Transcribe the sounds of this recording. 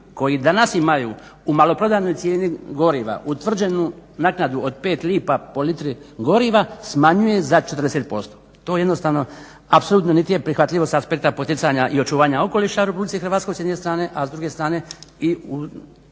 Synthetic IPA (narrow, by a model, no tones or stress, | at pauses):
ko̞jid̪anasimajṵumalo̞pɾo̞d̪aːno̞jt̪sʲje̞ːniɡo̞ɾiʋa̰ʔut̪ʋr̩d͡ʒe̞nunaknad̪uod̪̚pe̞ːt̪liːpapo̞lit̪ɾiɡo̞ɾiʋasmaɲuje̞zat͡ʃet̪ɾrd̪eset̪̚po̞st̪o | t̪o̞ːjed̪no̞st̪aːʋno̞ | apso̞lˠuːt̪no̞niːt̪ijepɾixʋat̪lʎʲiʋo̞st̪aspe̞k̚t̪apo̞t̪it̪saɲaʔio̞t͡ʃuːʋaːɲao̞ko̞liʃaɾepublit̪ixrʋaːt̪skojsjed̪ne̞st̪ɾaːne̞ʔazd̪ɾuɡe̞st̪ɾaːne̞iu